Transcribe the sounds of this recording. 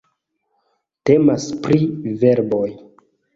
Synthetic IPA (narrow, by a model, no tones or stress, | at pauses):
te̞maspɾive̞ɾbo̞j